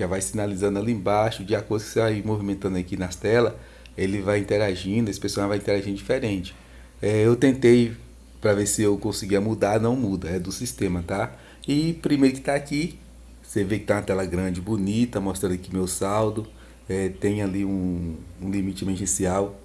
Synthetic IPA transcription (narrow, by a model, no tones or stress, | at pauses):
ʒavajsinalizɐ̃nd̪ʊaliẽbaʃʊd͡ʒɪakoɾd̪ʊkɪ̥sevajmovimẽnt̪ɐ̃nʊakinɐst̪ɛlɐ | elɪvajĩnt̪eɾaʒĩd̪ʊesɪ̥pesanvajĩnt̪eɾaʒĩd̪ʊd͡ʒifeɾẽnt͡ʃɪ̥ | ɛewt̪ẽnt̪ej | pɾɐvesɪewkõsiɡiɐmud̪anɐ̃w̃mud̪ɐɛd̪ʊsist̪ẽmɐt̪a | ɪpɾimejɾʊkɪ̥t̪aaki | sevekɪt̪aũɐt̪ɛlɐɡɾɐ̃d͡ʒɪbunit̪ɐmost̪ɾɐ̃nd̪ʊkɪmewsawd̪ʊ | ɛt̪ẽjaliũũlimit͡ʃɪmɛʒẽsiaw